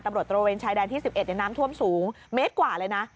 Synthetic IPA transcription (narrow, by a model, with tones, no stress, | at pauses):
t̪a˧mɾət̪ːɾo˧weː˧nt͡ɕʰaː˧jdɛː˧nt̪i˥˩si˨˩p̚ʔe˨˩t̪̚ja˨˩naː˦˥mt̪ʰu˥˩əmsuː˩˦ŋ | meː˦˥t̪̚kwaː˨˩lɤː˧jna˦˥